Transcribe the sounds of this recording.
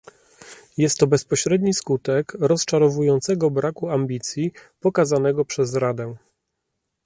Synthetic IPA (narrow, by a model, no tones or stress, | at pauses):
jɛst̪ːɔbɛspɔɕɾɛd̪ɲiskut̪ɛkɾɔst͡ʂaɾɔvujɔnt̪sɛɡɔbɾakuamʲbʲit̪sʲjipɔkazanɛɡɔpʂɛzɾad̪ɛ